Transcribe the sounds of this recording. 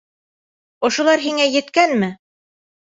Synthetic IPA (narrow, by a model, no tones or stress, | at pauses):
ŏʃŏlˠɑɾɦiŋæjɘ̆t̪kænmɘ